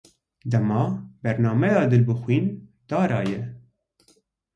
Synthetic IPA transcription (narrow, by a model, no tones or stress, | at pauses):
d̪ɛmɑːbɛɾnɑːmɛjɑːd̪ɨlbɨxʷwiːnd̪̥ɑːɾɑːjɛ